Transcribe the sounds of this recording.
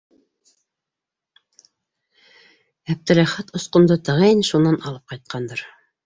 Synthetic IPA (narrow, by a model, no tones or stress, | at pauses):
æp̚t̪ɘ̆læχæt̪ŏsqŏmd̪ɤt̪ɑʁænʃunːɑnɑlˠɤp̚qɑjt̪̚qʰɑnd̪ɤɾ